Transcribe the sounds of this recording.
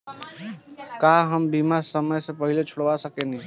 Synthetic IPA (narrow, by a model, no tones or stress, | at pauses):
kaɦəmbimasəməjsepəɦilet͡ʃʰoɽʋasəkeni